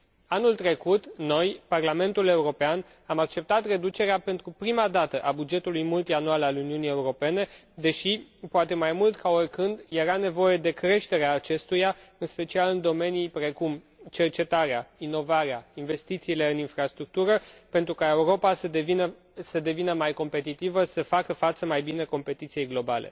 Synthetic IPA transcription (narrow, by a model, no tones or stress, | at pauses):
anult̪ɾe̞kut̪no̞jparlame̞nt̪ule̞uɾo̞pean | amak̚t͡ʃe̞p̚t̪at̪re̞d̪ut͡ʃe̞ɾeape̞nt̪ɾupɾimad̪at̪əʔabud͡ʒe̞t̪ulujmult̪ianualaluniunije̞uɾo̞pe̞ne̞ | d̪e̞ʃipoat̪e̞majmult̪kao̞rʲkɨnd̪je̞ɾane̞vo̞je̞d̪e̞kɾe̞ʃt̪e̞ɾeaːt͡ʃe̞st̪ujaɨnspe̞t͡ʃialɨnd̪o̞me̞nijpɾe̞kum | t͡ʃe̞rt͡ʃe̞t̪aɾeaino̞vaɾeainve̞st̪it̪siːle̞ɨninfɾast̪ɾuk̚t̪uɾəpe̞nt̪ɾukae̞uɾo̞pasəevinə | səd̪e̞vinəmajko̞mpe̞t̪it̪ivəsəfakəfat̪səmajbine̞ko̞mpe̞t̪it̪sije̞jɡlo̞balʔḛ